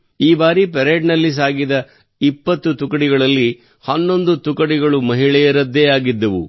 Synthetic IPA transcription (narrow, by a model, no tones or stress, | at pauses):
iːbaːɾip̬eɾeːɖnɐlːis̬aːɡid̪ɐ | ipːɐt̪ːut̪ukɐɽiɡɐɭɐlːi | hɐnːo̞nd̪ut̪ukɐɽiɡɐɭumɐɦiɭɛjɐɾɐd̪ːeːaːɡid̪ːɐʋṵ